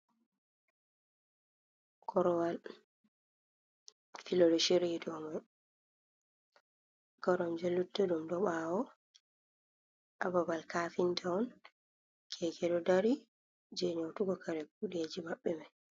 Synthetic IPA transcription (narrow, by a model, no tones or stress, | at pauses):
kʰɔɾɔwal | filɔdoʃiɾidɔmaj | ɡ̥ɔɾɔmd͡ʒɛlːutːɛɗumdɔɓaːwɔ | ʔababalkaːfintʰaɔn | kʰɛkɛɗɔdaɾi | d͡ʒɛɲowtuɡɔkʰaɾɛk̚uɗiad͡ʒimaɓːɛmaj